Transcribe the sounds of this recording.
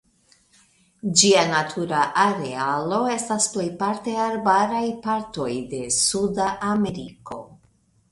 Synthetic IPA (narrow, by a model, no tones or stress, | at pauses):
d͡ʒianatʰuɾaʔaɾe̞alo̞e̞stasple̞jpaɾte̞aɾbaɾajpaɾto̞jde̞sudaʔame̞ɾiko̞̰